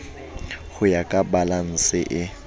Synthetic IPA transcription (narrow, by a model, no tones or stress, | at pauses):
ɣʊjakʼabalan̩sɪʔɪ